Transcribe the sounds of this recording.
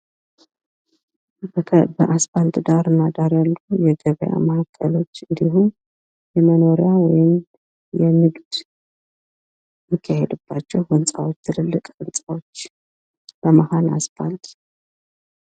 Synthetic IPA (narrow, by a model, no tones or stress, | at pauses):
bəʔaspalt̪ʼd̪aɾɨnːad̪aɾjalːujɛɡəβəja̰mahakʼːəlo̞t͡ʃːɨnd̪ihum | jɛməno̞ɾjawɔjɪm | jɛnɨɡd̪̥ | mɨkʰːahɛd̪ɨbːat͡ʃːɛwhɨnsʼawot͡ʃːt̪ʰɨlɨlːɨkʼɨnsʼawot͡ʃː | b̥əmahanaspalt̪ʼ